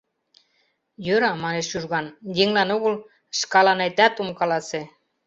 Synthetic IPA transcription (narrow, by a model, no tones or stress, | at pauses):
jøɾɑmɑneʃyrɣɑnjeŋlænoɣol | ʃkɑlɑnɑjt̪ɑt̪umkɑlɑse